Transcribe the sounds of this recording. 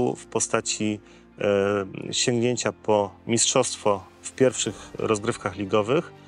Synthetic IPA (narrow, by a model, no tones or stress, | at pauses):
fpɔst̪at͡ɕi | ɕɛ̃ŋɡɲeɲt͡ɕapʰɔmʲistʂɔst̪fɔ | fpʲjɛɾfʂɘxɾɔzɡɾɘfkaxlʲiɡɔvɘx